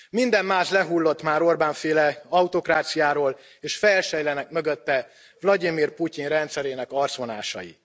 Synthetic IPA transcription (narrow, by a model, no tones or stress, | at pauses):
mind̪ɛmːaːʃlɛɦulːo̞t̪maːɾo̞rbaːɱfeːlɛɒwt̪o̞kraːt̪sijaːɾoːl | eːʃfɛlʃɛjlɛnɛkmø̞ɡøt̪ːɛ | vlɒd̪imirpucinrɛnt̪sɛɾeːnɛkɒrt̪sʋo̞na̰ːʃɒ̰jḭ